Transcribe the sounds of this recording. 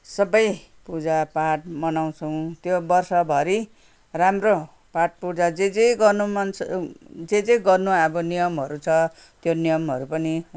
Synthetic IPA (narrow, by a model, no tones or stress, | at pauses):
sʌbʌj | pud͡zapaʈ̚mʌnaw̃t͡sʰʌw̃t̪jobʌrsʌbʱʌɾi | ramro | paʈ̚pud͡zad͡zed͡zeɡʌnumʌnt͡sd͡zed͡zejɡʌrnuʌbʌnijʌmɦʌɾut͡sʰʌ | t̪jonijʌmɦʌɾupʌni